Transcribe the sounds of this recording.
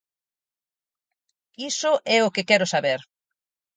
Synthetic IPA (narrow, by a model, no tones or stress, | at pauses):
isʊʔɛʊkɪkɛɾʊsaβeɾ